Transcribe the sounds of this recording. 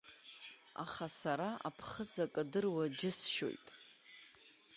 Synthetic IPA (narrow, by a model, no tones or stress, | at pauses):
a̰χasaɾaʔa̰pʰχəd͡zakʼadɨrwad͡ʒɪsʃo̞̰jtʼ